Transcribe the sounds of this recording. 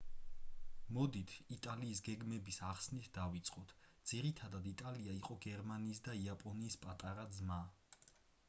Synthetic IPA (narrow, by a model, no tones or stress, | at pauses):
mɔd̪it̪ʰit̪ʼaliːs̬ɡɛɡmɛbisaχsnit̪ʰd̪avit̪sʼqʼɔt̪ʰd̪z̥iɾit̪ʰad̪ad̪it̪ʼaliaiqʼɔɡɛɾmaniːsd̪aiapʼɔniːspʼat̪ʼaɾad̪zma